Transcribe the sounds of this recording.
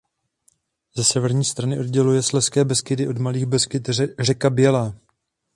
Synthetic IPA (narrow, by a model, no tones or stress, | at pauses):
zɛsɛvɛɾɲiːst̪ɾanɪʔo̞dɟɛlujɛslɛskɛːbɛskɪd̪ɪʔo̞dmaliːɣbɛskɪt̪rɛkabɪjɛlɛː